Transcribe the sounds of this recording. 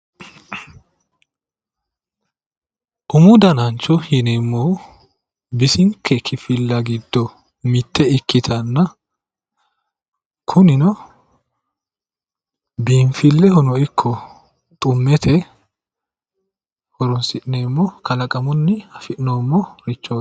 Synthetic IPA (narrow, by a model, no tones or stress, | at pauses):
ʔʊmʊd̪ɐnɐnt͡ʃːɔhɪnemːɔ | bɪsɪŋkʰːɛkʰɪfɪlːɐɡɪd̪ːɔ | mɪt̪ːɛɪkːɪt̪ʰɐnːɐ | kʰʊnɪnɔ | biːɱfɪlːɛhɔnɔɪkʰːɔ | t̪ʼʊmːɛt̪ʰɛ | hɔɾɔnsɪʔɪneːmːɔkʰɐlɐkʼɐmɔnːɪhɐfɪʔnoːmːɔɾɪt͡ʃːoː